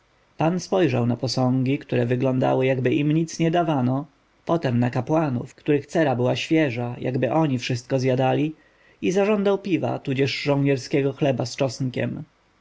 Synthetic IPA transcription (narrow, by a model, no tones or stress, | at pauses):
panspɔjʐawnapɔsɔ̃ŋɡʲikt̪uɾɛvɘɡlɔnd̪a̰wɘjaɡbɘʔimɲit̪sɲɛd̪avanɔ | pɔt̪ɛmnakapwanṵfkt̪uɾɘxt̪sɛɾabɘwaɕfʲjɛʐaja̰ɡbɘʔɔɲifʂɘst̪̚kɔzjad̪alʲi | izaʐɔnd̪awpʲiva̰t̪ud͡ʑɛʂʐɔ̃w̃ɲɛɾskʲɛɡɔxlɛbast͡ʂɔsŋkʲɛ̰m